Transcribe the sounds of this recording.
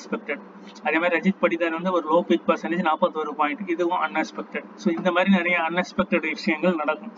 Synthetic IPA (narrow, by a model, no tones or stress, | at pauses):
kspɛk̚ʈɐɖ | ɐðeːmaːɾiɾɐd͡ʒɪʈpɐɽɪt̪ːaːlʋɐnd̪ɯɔɾɯloːpɪk̚pɐɾsɐnɐt͡ʃːnaːpːoːt̪ɔɾɯpaːɪ̃ɳʈːɯɪðɯʋʊ̃ʔɐnɛkspɛk̚ʈɐɖsoːɪnd̪ɐmaːd̪ɾinɛɾɐjɐɐnːɛkspɛk̚ʈɐɽʋɪʂɐjɐŋɡɐɭnɐɽɐkːʊ̃m